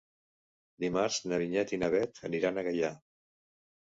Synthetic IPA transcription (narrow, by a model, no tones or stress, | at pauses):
d̪imaɾz̥nəβiɲɛt̪inəβ̞ɛt̪ʰəniɾanəɣəʎa